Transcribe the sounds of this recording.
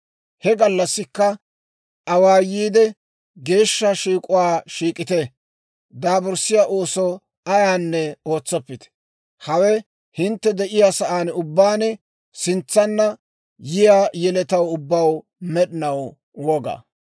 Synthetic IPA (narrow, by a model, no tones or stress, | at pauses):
hɛɡɐlːɐsːɪkːɐ | ɐwaːjiːd̪ɛ | ɡe̞ːʃːɐʃiːkʼʊwaːʃiːkʼɪt̪ɛ | d̪aːbʊɾsɪjaʔoːsɔ | ɐjaːnːɛo̞ːt͡sːɔpːɪt̪ɛ̥ | hɐwɛ | hɪnt̪ːɛd̪ɛʔɪjaːsɐʔaːnʊbːaːnɛ | sɪnt͡sːɐnːɐ | jɪjaːjɛlɛt̪ɐwʊbːɐw | mɛɗɪnɐw | wɔɡa̰